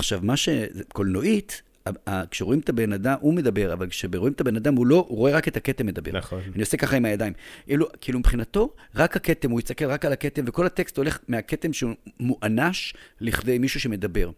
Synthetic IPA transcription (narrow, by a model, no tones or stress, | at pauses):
aχʃavmaʃekolno̞ʔit | aakʃeʁo̞imet̪abe̞nad̪amume̞d̪abe̞ʁa̰valkʃebeʁoimet̪abe̞nad̪amulo̞uʁo̞e̞ʁaket̪ake̞temːed̪abeanio̞se̞kaχaimhajad̪aimʔelukiilumipχinato̞ʁakhake̞te̞mujitst̪ake̞lʁakalaket̪emve̞ko̞lhat̪e̞kst̪ole̞χmeake̞t̪e̞mʃeumuʔanaʃliχde̞jmiʃuʃeme̞d̪abe̞ʁ